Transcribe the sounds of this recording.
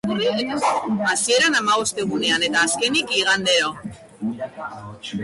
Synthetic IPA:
urieɣineasie̞ɾanamaɣ̞o̞st̪eɣ̞une̞ane̞t̪aːske̞nikiɣ̞and̪eɾo

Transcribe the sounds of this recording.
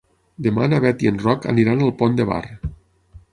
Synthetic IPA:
d̪ema̰naβɛt̪ienrɔkə̰niɾanalˠpond̪eβa̰r

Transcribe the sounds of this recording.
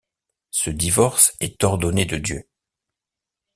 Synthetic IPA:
səd̪ivɔʁsɛt̪ɔʁd̪ɔned̪əd̪jø

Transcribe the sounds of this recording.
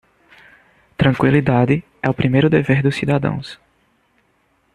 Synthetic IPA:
t̪ɾɐ̃kwilid̪ad̪ɪ | ɛʊpɾimejɾʊd̪eveɾd̪ʊsːid̪ad̪ɐ̰̃w̃s

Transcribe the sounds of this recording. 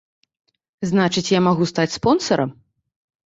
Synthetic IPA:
znat͡ʂɨt͡sʲjamaɣust̪at͡sʲspɔnsɐɾɐ̰m

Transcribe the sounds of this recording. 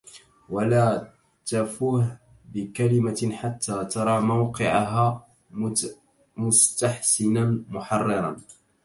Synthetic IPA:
walaː | t̪afuːh | bɪkalɪmaħat̪ʰːaːt̪ɑɾˤɑːmawqɪʕaɦaː | mʊst̪aħsɪnanmʊħɑrˤːɨɾˤɑ̰n

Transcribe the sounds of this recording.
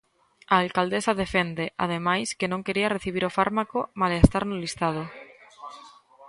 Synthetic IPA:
aːlkald̪esaðe̞fend̪eʔa̰ð̞emajskenõŋke̞ɾiareθiβiɾofaɾmakomaleest̪aɾnolist̪að̞o

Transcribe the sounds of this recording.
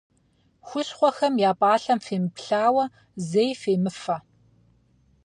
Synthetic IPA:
xʷʊɕχʷɔxɐmjaːpʼaːɬɐmfeːmɨpɬaːwɐ | zejfeːmɨfɐ

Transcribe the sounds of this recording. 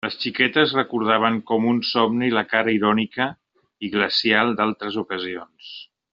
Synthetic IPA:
ləst͡ʃikɛt̪əzrəkuɾð̞aβ̞əŋkɔmunsɔmniləkaɾəiɾɔnikə | iɣləsialˠd̪alˠt̪ɾəzukəzions

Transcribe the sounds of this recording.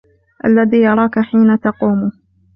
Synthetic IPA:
ʔa̰lːaðiːjɑɾˤɑːkaħiːnat̪ɑquːm

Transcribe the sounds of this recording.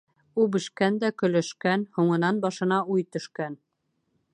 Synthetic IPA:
ubɘ̆ʃkænd̪ækɵ̆læʃkænhuɴɤ̆nɑnbɑʃɤ̆nɑujt̪ɵ̆ʃkæn

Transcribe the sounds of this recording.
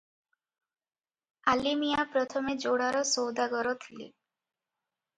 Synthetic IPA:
alimijapɾɔt̪ʰɔmed͡ʒoɽaɾɔsowd̪aɡɔɾɔt̪ʰilḛ

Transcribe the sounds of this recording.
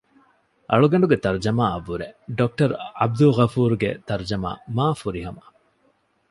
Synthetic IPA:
ʔɐɭuɡɐɳɖuɡet̪ɐɾd͡ʒɐmaːɐʋːuɾeɖok̚ʈɐɾɐb̚d̪uɣɐfuːɾuɡḛt̪ɐɾd͡ʒɐma̰ːmaːfuɾiɦɐmɐ

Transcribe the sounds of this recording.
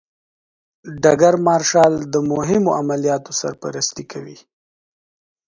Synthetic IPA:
ɖaɡaɾmɑɾʃɑld̪əmʊɦɪmoʔamalijɑt̪osa̰ɾpa̰ɾast̪ikʰawḭ

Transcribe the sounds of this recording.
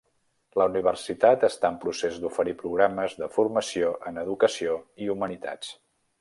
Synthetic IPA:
ləuniβ̞ərsit̪at̪əst̪aəmpɾusezd̪ufəɾipɾuɣ̞ɾaməzðəfurməsioʔənəðukəsioiumənit̪a̰t͡s

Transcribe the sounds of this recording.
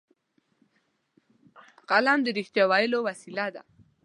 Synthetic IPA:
qalamd̪əɾɪxt̪jawɑjəlowasilad̪a̰

